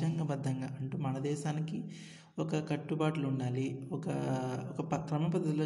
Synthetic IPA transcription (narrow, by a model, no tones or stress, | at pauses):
ɐŋɡɐbɐd̪ʱːɐŋɡaːʔɐɳʈuːmɐnɐd̪ɛːʃaːniki | ɔkɐkɐʈːubaːʈuluuɳːaːliɔkɐɔkɐpɐkɾɐmɐpɐd̪ɐloː